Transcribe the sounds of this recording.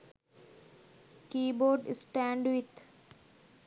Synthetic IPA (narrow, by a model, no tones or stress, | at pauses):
kiːboːɾɖsʈæ̃ɳɖʋɪt̪